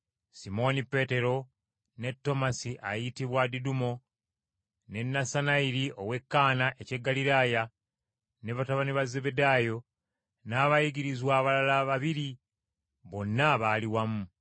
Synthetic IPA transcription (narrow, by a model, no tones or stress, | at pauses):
simo̞nipe̞te̞ɾo̞ | ne̞tːo̞masiʔa̰jitiβwadidumo̞ | ne̞nːasanaiɾiʔo̞we̞kːaːnaʔece̞ɡːaliɾaːja | neβataβaniβaze̞βe̞daːjo̞ | naːβajiɡiɾizwaːβalalaβaβiɾi | βo̞nːaβaːliwamu